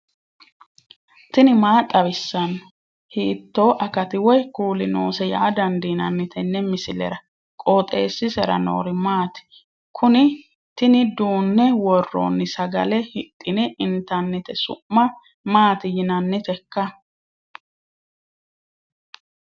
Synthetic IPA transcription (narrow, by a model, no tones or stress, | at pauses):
t̪ɪnɪmaːt̪ʼːɐβɪsːɐnːɔ | hiːt̪ːoːʔɐkɐt̪ɪwɔjkuːlɪnoːsɛja̰ʔːd̪ɐnd̪ɪnɐnːɪt̪ɛnːɛmɪsɪlɛ̰ɾɐ | kʼoːt̪ʼe̞̰ːsːɪsɛɾɐ̰no̰ːɾɪmaːt̪ɪ̥ | kʰʊnɪ | t̪ɪnɪd̪uːnːɛwɔrːo̰ːnːɪsɐɡɐlɛhɪt̪ʼːɪnɪʔɪnt̪ɐnːɪt̪ɛsʊ̰ːɐ | maːt̪ɪjɪnɐnːɪt̪ɛkːɐ